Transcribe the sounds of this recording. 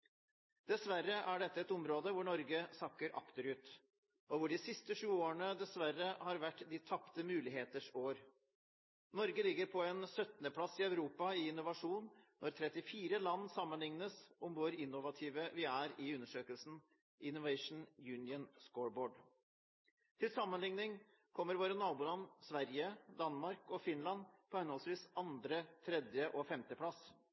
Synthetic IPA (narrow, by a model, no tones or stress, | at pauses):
d̪ɛsʋæɾːəʔæɖɛt̪ːəɛt̪ɔmɾoːd̪əʋʊɳɔɾɡəsɑkːəɾʔɑ̰kt̪əɾʉːt̪ | ʔɔʋʊɖɪsɪst̪əʂʉːoːəɳəd̪ɛsʋæɾːəhɑɾʋæʈːd̪ɪt̪ʰɑpt̪əmʉːlɪɦeːt̪əʂoːɾ | nɔɾɡəlɪɡːəɾpʰɔɛnsœt̪nəpʰlɑsɪœʉɾuːpɑɪɪnʊʋɑʂuːnːʔɔɾt̪ʰɾɛt̪ɪfiːɾəlɑnːsɑmːənlɪŋnəsʔʊmʋʊɾɪnːʊʋɑt̪ʰiːʋəʋɪæɾɪʉnːəʂøːkəlsn̩ | ʔɪnʊʋɛɪʂn̩jʉːnɪənskoːɹboːɖ | t̪ʰɪlsɑmːənlɪŋnɪŋ | kʰɔmːəɾʋoːɾənɑːbuːlɑnsʋæɾjəd̪ɑnmɑɾkɔfɪnlɑnpʰɔhɛnɔlsʋiːsɑnd̪ɾət̪ʰɾɛd̪jəʔɔfɛmt̪əpʰlɑs